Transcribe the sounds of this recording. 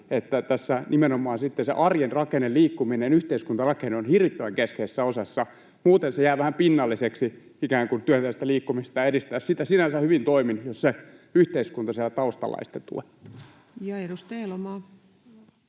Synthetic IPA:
et̪ːæt̪æsːænʔimenomˑɑːnsit̪ːesḛʔɑrjenrɑkenelliːkːuminenyht̪eiskunt̪ɑrɑkeneonhirʋit̪ːøʋæŋkeskeːsːæosɑsːɑ | muːt̪ensejæːʋæhæmpinːɑlːiseksi | ikæːŋkunt̪yæt̪æjæst̪æliːkːumist̪ɑjɑedist̪æːssit̪æsinænsæhyʋint̪oiminjosseyht̪eiskunt̪ɑseælæt̪ɑust̪ɑ̰lɑ̰ist̪et̪t̪ṵetː | jɑedust̪elmɑː

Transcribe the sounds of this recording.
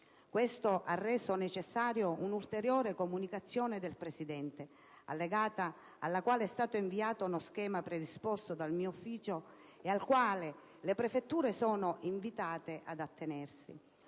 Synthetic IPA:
kwest̪oʔarːɛːsonet͡ʃesːaːɾjounult̪eɾjoːɾekomunikat̪sːjɔːned̪elpɾesid̪ɛnt̪e | a̰lːeɡaːt̪aː | lːakwaːleɛst̪aːt̪oiɱviaːt̪ounosk̟ɛːmapɾed̪ispɔst̪od̪almiːoufːiːt͡ʃo | ealkwaːle | lepɾefet̪ːuːɾesɔːnoʔiɱvit̪aːt̪eʔad̪at̪ʰːenɛrsḭ

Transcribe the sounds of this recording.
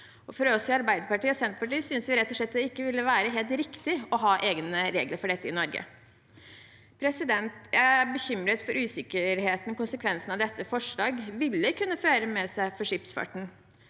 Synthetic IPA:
ɔfɔɾɔɔsɔɑɾbæɪd̪əɾpɑʈiːɔsɛnt̪pɑʈiːsʏnsʋɪɾɛt̪ːɔʂɭɛt̪ːd̪ɛɪkːəʋɪlːəʋæːɾəɦeːlt̪ɾɪkt̪ɪɔɦɑːʔeːɡnəɾḛːɡləɾfɔɖɛt̪ːəɪnɔɾɡə̰ | pʰɾɛsɪd̪ɛnt̪ææbəçʏmɾət̪fɔɾʉːsɪkːəɾɦeːt̪n̩ɔkʊnsəkʰʋɛnsn̩ɑʋd̪ɛt̪ːəfɔʂɭɑːɡʋɪlːəkʰʉnːəføːɾəmɛsæɪfɔʂɪpsfɑ̰ʈɳ̩

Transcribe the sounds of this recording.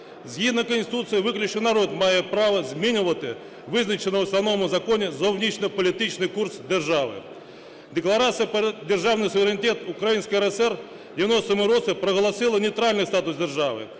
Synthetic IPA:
zʲjid̪nɐkənʲsʲt̪ʲɪ̥t̪ut̪sɨjɐʋɪklʲʊt͡ʃ̪ɪnɐɾod̪majɛpɾaʋɐzʲmʲinʲʊʋɐt̪ɪ | ʋɪznɐt͡ʃɪnɐʋɐsnɐnɔmʊzɐkonʲɪzɔwnʲit͡ʃnɪpɐlʲɪt̪ɪt͡ʃnɨjkursd̪erʐaʋɪ̰ | d̪ʲɪklˠɐɾat̪sɨjɐpd̪ʲerʐawnɨjsʊɪɾʲɪnʲɪt̪ʲeɛt̪ʊkɾɐjinʲsʲkʲəjɛɾɛsɛr | dʲɪʋʲɪnost̪ɐmʊɾɔt̪sɨpɾɐɣɐlˠɐsɪlˠɐnʲijt̪ɾalʲnɨjst̪at̪ʊzd̪ʲerʐaʋɨ̰

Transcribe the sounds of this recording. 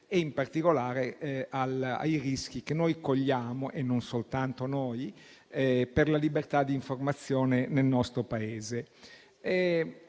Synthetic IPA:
eimpart̪ikolaːɾeala̰jrisk̟ik̟enːojkoʎːaːmoʔenːonsolt̪ant̪onoj | ɛperlalibert̪ad̪ːiːɱformat̪sːjoːnenelnɔst̪ɾopaeːze | ɛ

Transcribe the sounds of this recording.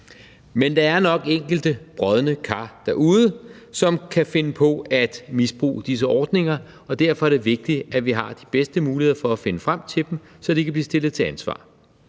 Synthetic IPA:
mend̥ɑ̈æɐnɒ̽ɡ̥eŋ̰ɡ̥l̩d̥əb̥ʁɒð̞ˠnəkʰɑ̰̈ːd̥æɐʔuːð̞ˠə | sɒ̽mkʰæfe̝nəpʰɒ̽æd̥misb̥ʁṵːd̥is̬əʔɒːd̥ne̝ŋɐ | ɒ̽d̥æɐ̰fɒ̽æɐɾ̥e̝ʋe̝ɡ̥̚d̥iæʋiɦɑ̈d̥i̥b̥esd̥əmuːliheðˠɐfɒ̽æfe̝nəfʁam̰t͡sʰe̝d̥m̩ | sɒ̽d̥ekʰæb̥liːsd̥e̝l̰ð̩ˠt͡sʰe̝ænsʋɑ̰̈ː

